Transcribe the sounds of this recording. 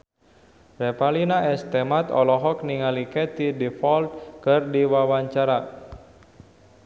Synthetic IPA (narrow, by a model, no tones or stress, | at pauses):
rɛpalinaɛst̪ɛmat̪ɔ̰lɔɦɔk̚niŋalikɛt̪idɛfɔlt̪̚kɨrdiwawaɲt͡ʃaɾa